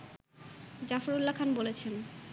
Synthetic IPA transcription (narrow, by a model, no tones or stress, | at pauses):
d͡ʑafoɾulːakʰanbolet͡ɕʰen